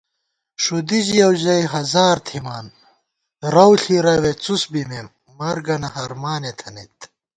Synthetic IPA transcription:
ʂud̪id͡ʑijɐwʑɐjɦɐzaːɾt̪ʰimaːn | ɾɐwɬiɾɐwet͡susbimemː | ɐɾɡɐnɐhɐɾmaːnet̪ʰɐnit̪

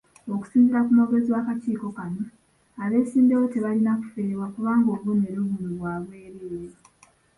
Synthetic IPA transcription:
o̞ku̥siːnziɾakumaɡeziwakaciːko̞kano | aβe̞ːsiːndewote̞βalinaku̥fe̞ːeβwakuβaːŋɡo̞βoneɾoβumuβwaːβwe̞ːɾeːɾa

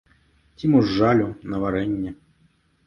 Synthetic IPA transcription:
t͡sʲimuʐːalʲunɐvaɾɛnʲːɛ

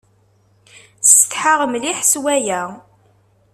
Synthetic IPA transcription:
st̪ħaʁəmliħəswæjæ

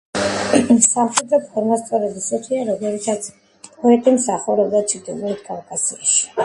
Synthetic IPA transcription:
samχɛd̪ɾɔpʰɔɾmast̪sʼɔɾɛbisɔt̪ʰiaɾɔmɛvit̪ʰat̪sʰ | pʼɔɛt̪ʼimsaχuɾɛbd̪at͡ʃʰid̪ilulit̪ʰkʼalkʼasiaʃi̥

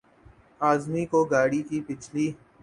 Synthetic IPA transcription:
aːzmikoɡaːɽikipɪt͡ʃʰliː

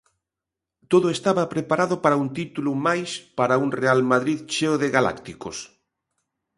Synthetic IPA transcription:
t̪oðoest̪aβapɾepaɾaðopaɾaunt̪it̪ulumajspaɾaunrealmaðɾiðt͡ʃeoðeɣala̰kt̪ikos

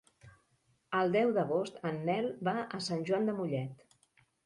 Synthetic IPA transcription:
əlˠd̪ɛwðəɣ̞ost̪ənːɛlˠbaʔəsanʲʒwand̪əmuʎɛt̪

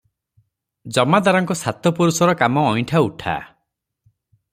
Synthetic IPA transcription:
d͡ʒɔmad̪aɾɔŋkɔsʰat̪ɔpuɾusɔɾɔkamɔːjʈʰauʈʰa̰

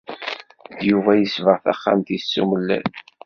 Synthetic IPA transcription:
juvæjəsvəʁθæ̰χːa̰mt̪isːuməlːæ̰n

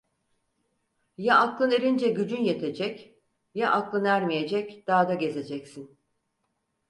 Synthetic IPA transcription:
jaʔaklˠɯneɾind͡ʒɛɟyd͡ʒynje̞t̪ʰe̞d͡ʒɛc | jaʔaklˠɯnæɾmije̞d͡ʒɛcd̪̥aːd̪aɟe̞ze̞d͡ʒɛcsin

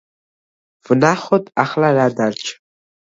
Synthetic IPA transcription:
vɨnaχʷɔtʼaχlarard̪art͡ʃʼʰ

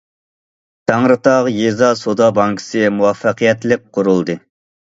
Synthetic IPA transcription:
t̪ʰɑŋɾɨt̪ɑʁjezɑsod̪ɑbɑŋkʰə̥sɨmuwɑfːɑqijɛt̪lɪk̚ʲqʰːʊɾulˠd̪ɨ

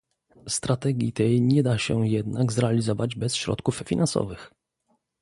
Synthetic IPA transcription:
st̪ɾat̪ɛɡʲit̪ɛjɲɛd̪aɕɛjɛd̪naɡzɾɛalʲizɔvad͡ʑbɛsɕɾɔ̰t̪kuffʲinãnsɔ̰vɘx

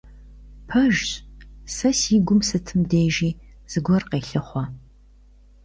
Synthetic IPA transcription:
pʰɐʒɕsɐsiːɡʷʊmsɨtʰɨmdeːʒiː | z̥ɨɡʷɔrqeːɬɨχʷɔ

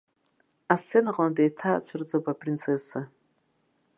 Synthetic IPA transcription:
ast͡sʰːe̞naqʼladejtʰat͡ʃʷʰɨrd͡zopʼaprint͡sʰesa

